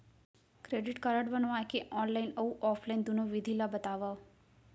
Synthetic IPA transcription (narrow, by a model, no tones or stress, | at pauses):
kɾeɖiʈkəɾaɽʋanoajkeʔɔnlainəũʔɔfʰlaind̪unoʋid̪ʱilabət̪aʋa